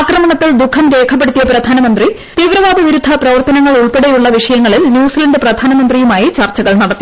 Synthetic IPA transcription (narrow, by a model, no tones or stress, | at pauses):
krɐmɐɳɐt̪ːild̪ukʰɐmɾe̞ːkʰɐp̬ːe̞ɽut̪ːijɐprɐd̪ʱaːnɐmɐnd̪ri | t̪iːʋɾɐʋaːd̪ɐʋiɾud̪ʱːɐprɐʋɐrt̪ɐnɐŋːɐɭuɭpeɽejuɭːɐʋiʂɐjɐŋːɐɭilnjuːsilɐɳɖɨprɐd̪ʱaːnɐmɐnd̪rijumaːjit͡ɕɐrt͡ɕːɐɣɐɭnɐɽɐt̪ːi